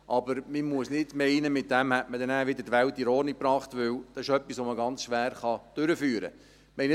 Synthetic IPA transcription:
ʔɑbəɾmimuəsnɪd̥mɛɪnəmɪt̚d̪æmhɛtməd̪ɛnæːʋɪd̪ədʋæltiɾɔːnik̚pɾɑːχt̪ʋʏld̪̥ɑɪʃœpːisʋoməɡɑnt͡sʃʋæːɾχɑd̥ʏɾəfyːɾə̰ | mɛɪn

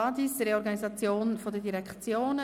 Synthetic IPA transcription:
ɑdisɾeɔɾɡɑnizɑt͡sjoːnfodədiɾɛkt͡sjoːn

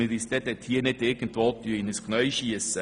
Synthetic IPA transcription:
ɪɾist̪ɛt̪ɛt̪hiːənɪtɪɾɡ̥ənt̪ʋolt̪yəɪnəsknœɥʃiəsə

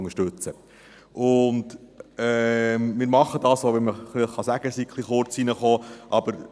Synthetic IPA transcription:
ŋəʃtʉt͡sə | ʔʊndɛmmɪːɾmɑχəd̥ɑːsoʋɛnməχliχːɑsæɡ̥əsikʰlˠiχoɾt͡sinəχoːʔɑb̥əɾ

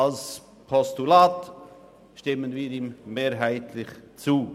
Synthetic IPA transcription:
als | pʰɔstulaːt | ʃtɪmənviːɾiːmmeːɾɦaɪtʰlɪχt͡suː

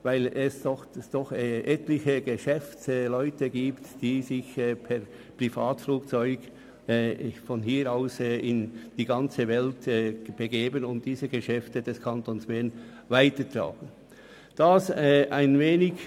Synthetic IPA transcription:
vaɪlɛsd̥ɔxsd̥ɔχʔɛtlɪçəɡəʃɛfslɔʏtəɡiːptd̥iːzɪçɛːpʰɛʁ | pʁ̥ifa̰ːtfluːkt͡sɔʏɡ | ɛfɔnɦiːɾaʊsɛɪnd̥iːɡɑnt͡səvɛltɛb̥əɡeːbənʊnt̚d̥iːzəɡəʃɛftəd̥ɛskʰantonsb̥ɛn | vaɪtətʁa̰ːɡ̥ən̩ | d̥asɛaɪnveːnɪç

